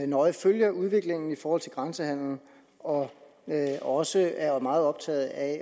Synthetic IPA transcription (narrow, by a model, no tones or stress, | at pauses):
nɒ̽ɪføljɐuð̞ˠʋe̝ɡ̥le̝ŋn̩ifɒːhɒ̽l̰t͡sʰe̝lɡ̥ʁɑnsəhæn̰ln̩ | ɒ̽ | ɒ̽səæɐmɑ̈ːð̞̩ˠɒ̽b̥̚t͡sʰɛ̰ːð̞̩ˠæ